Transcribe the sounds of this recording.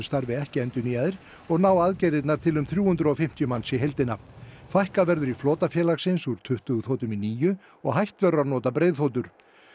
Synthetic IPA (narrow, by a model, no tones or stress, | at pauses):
ʏst̪aɾvɪɛhcɪɛnt̪ʏniːaðɪɾ̥ | ɔɣnawaðcɛjɾɪt̪naɾt̪ʰɪlʏmθɾjuːhʏnt̪ɾʏɔfɪm̥t̪jʏmansiɦejlt̪ɪnafajhkavɛɾðʏɾifloːt̪afjɛːlaxsɪnsuɾ̥t̪ʰʏht̪ʏɣʏθoːwt̪ʏminiːjʏ | ɔɣɦajht̪vœɾaɾnɔːt̪apɾeːjðθowt̪̬ʏɾ̥